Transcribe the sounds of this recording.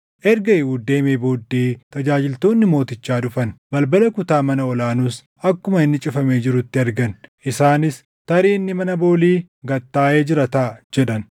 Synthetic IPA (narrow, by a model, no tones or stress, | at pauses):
ʔɛɾɡɐɪhuːd̪e̞ːmeːbo̞ːd̪ːeːt̪ɐd͡ʒaːd͡ʒɪlt̪o̞ːnːɪmo̞ːt̪ɪt͡ʃːaːᶑʊfɐnbɐlbɐlɐkʊt̪aːmɐnɐɔlaːnuːs | ʔɐkːʊmɐɪnːɪt͡ʃʼɪfɐme̞ːd͡ʒɪɾʊt̪ːɪɐɾɡɐnʔɪsaːnɪs | t̪ɐɾiːnːɪmɐnɐbo̞ːliː | ɡɐt̪ːaːʔeːd͡ʒɪɾɐt̪aːd͡ʒɛᶑɐn